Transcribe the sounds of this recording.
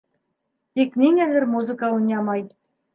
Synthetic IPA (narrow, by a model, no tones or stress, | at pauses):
t̪ʲeknʲeŋʲɘlʲɘ̆rmuzɨ̆kɑunʲɑmɑj